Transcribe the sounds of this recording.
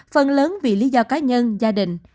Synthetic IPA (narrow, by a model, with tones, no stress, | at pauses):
fə˧nləː˨˦nvḭ˧˨li˨˦zɔ˧kaː˨˦ɲə˧nzaː˧ɗï˧˨˩ŋ̟